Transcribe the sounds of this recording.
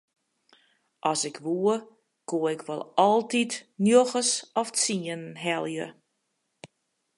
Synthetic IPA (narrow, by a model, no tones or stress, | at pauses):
ʔɔsɪkʰʋuə | koəɪkʋɔ̰lˠɔlˠtitnjoxəsɔft͡siənɦɛlˠjə̰